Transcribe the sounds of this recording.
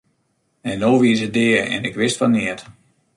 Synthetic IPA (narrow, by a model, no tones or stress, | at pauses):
ɛnːoːʋiəsədɪːərɛ̰nɪkʋɪstfɔnːɪət